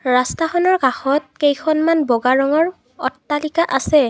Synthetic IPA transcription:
ɹastaxɔnɔɹkaxɔt̚kejkʰɔnmanbɔɡaɹɔŋɔɹ | ɔtːalikaʔasɛ

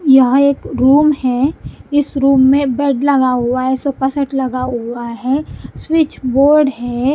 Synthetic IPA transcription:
jɐɦeːkɾuːmhɛɪsɾuːmːẽbɛɖlɐɡaɦʊaɦɛsɔpəsəʈʰlɐɡaɦʊaɦɛswɪt͡ʃʰboːɾɖɦɛ

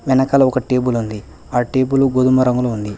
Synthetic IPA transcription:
ʋɛnɐkɐlɐɔkɐʈeːbulund̪i | aːʈeːbuluɡod̪umɐɾɐŋɡuluːnd̪i

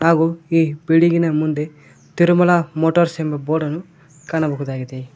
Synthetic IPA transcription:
naːɡuiːbiɽiɡinɐmund̪e | t̪iɾumɐlamoʈoɾsembeboːɖɐnu | kɐnɐbɐkud̪aːɡit̪e

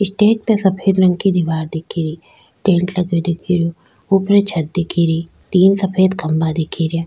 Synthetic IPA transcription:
ɪsʈeːt̪̚pesɐpʰeːd̪ɾɐŋɡkid̪iʋaːɾd̪ekʰiːɾii | ʈeːɳʈlɐɡod̪ekʰiɾjo | upɾet͡ʃʰɐt̪̚d̪ekʰiːɾi | t̪iːnsɐpʰeːd̪kɐmbad̪ekʰiːɾje

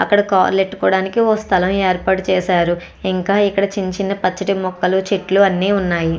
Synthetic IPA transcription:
ɐ̰kːɐɽɐka̰ːɾleʈːukɔːɽaːnikioːst̪ʰɐlɐmeːɾpaːʈut͡ʃɛːsaːɾu | iŋkaːikːɐɽɐt͡ʃiɲt͡ʃinɐpɐt͡ʃːɐʈimɔkːɐlut͡ʃeʈluɐnːiːunːaːji

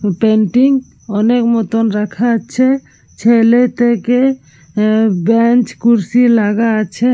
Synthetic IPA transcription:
peɳʈiŋ | ɔnekmɔt̪ɔnɾakʰat͡ʃʰɛ | t͡ʃʰelet̪eke | bɛnt͡ʃkuɾsilaɡat͡ʃʰɛ

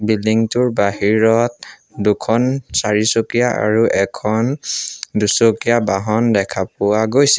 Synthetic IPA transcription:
biliŋtʊɹbahiɹɔt̚ | dukʰɔnsaɹisokijaʔa̰ɹuʔɛkʰɔndusokijabaɦɔndɛkʰapʊaɡojsi

